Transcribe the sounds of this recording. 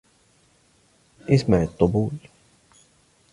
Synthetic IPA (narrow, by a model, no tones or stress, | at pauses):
ʔɪsmaʕɪt̪ˤːʊbuːl